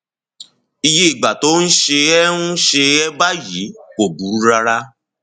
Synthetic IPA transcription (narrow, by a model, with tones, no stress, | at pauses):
i˧je˧i˨ɡ͡ba˨to˨˦n̩˦ʃe˧ɛ˦nũ˦ʃe˧ɛ˦ba˦ji˨˦o˨bu˨˦ɾa˧ɾa˦